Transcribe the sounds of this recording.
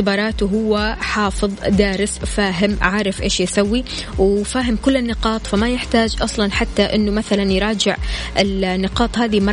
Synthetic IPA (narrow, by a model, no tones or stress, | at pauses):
ɪbɑːɾˤɑːt̪uɦʊwːaħɑːfɨðˤd̪aːɾɪsfaːɦɪmʕaːɾˤɪfʔeːʃjsawːi | wfaːɦɪmkʊlːɪnːɪqɑːt̪ˤfamajɪħt̪aːd͡ʒʔɑsˤlɑnħat̪ːaʔɪnːʊmaθalanjɾˤɑːd͡ʒɪʕ | ʔɪlnːɪqɑːt̪ˤhaːðimɑ